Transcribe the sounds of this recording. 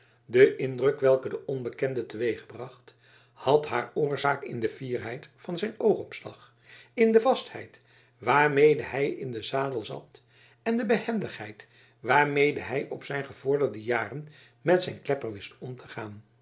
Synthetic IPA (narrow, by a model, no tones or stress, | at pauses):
dəʔɪndrɵkʋɛlˠkədəʔɔnbəkɛndətəʋejχəbrɑχt | hɑtɦaːɹʊːɹzaːkɪndəv̥iːrɦɛjtfɑnzɛjnowχɔpslɑ̰χ | ɪndəvɑsthɛ̰jt | ʋaːɹmejdəɦɛjɪndəzaːdəlˠzɑ̰t | ɛndəbəhɛndəχɦɛjt | ʋaːɹmejdəɦɛjʔɔpsɛjnχəv̥ʊːɹdəɹdəjaːrən | mɛtsɛjnklɛpəɹʋɪstɔmtʰə̥χaːn